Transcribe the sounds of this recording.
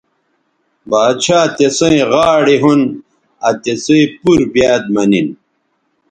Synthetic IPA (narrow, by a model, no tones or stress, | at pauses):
baːd̪t͡ɕʰaːt̪esɐ̃ĩʁaːɽiɦun | ɐt̪esɐ̃ipuɾbjaːd̪̚mɐnin